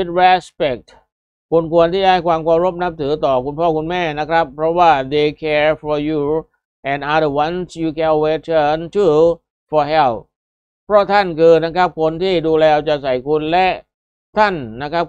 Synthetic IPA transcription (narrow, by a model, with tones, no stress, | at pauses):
i˦˥t̪̚ɾɛ˦˥spɛ˨˩k̚t̪ | kʰu˧nkʰu˧ənt̪ʰiː˥˩daː˦˥˩jkʰwaː˧mkʰwaː˧mɾo˦˥p̚na˦˥p̚t̪ʰɯː˩˦t̪ɔː˨˩kʰu˧npʰɔː˥˩kʰu˧nmɛː˥˩na˦˥kʰɾa˦˥pʰːɾɔ˦˥waː˥˩d̪e˧kʰɛː˧fɔ˧ju˧ | ʔɛ˨ndʔa˦də˨˩wa˦˥nsjuː˧kʰɛ˧nwe˦t̪ʰə˥˩ntʰu˧ | fɔː˧ɦɛ˧˩l | pʰɾɔ˦˥t̪ʰa˥˩nkʰɯː˧na˦˥kʰɾa˦˥p̚kʰo˧nt̪ʰiː˥˩duː˧lɛː˧wt͡ɕa˨˩ʔsa˨˩jkʰu˧nlɛ˦˥ʔ | t̪ʰa˥˩nːa˦˥kʰɾa˦˥p̚